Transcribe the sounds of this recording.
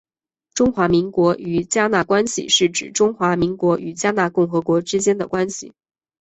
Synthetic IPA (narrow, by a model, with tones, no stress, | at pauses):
ʈ͡ʂʊ˥ŋxwa˧˥mi˧˥ŋkwɔ˧˥y˨˩t͡ɕja˥na˥˩kwa˥nɕḭ˨ʂɻ̩˥˩ʈ͡ʂɻ̩̰˨˩ʈ͡ʂʊ˥ŋxwa˧˥mi˧˥ŋkwɔ˧˥ʔy˨˩t͡ɕja˥na˥˧kʊ˥˩ŋxɤ˧˥kwɔ˧˥ʈ͡ʂɻ̩˥t͡ɕjɛ˥nd̪ə˨kwa˥nɕḭ˨˩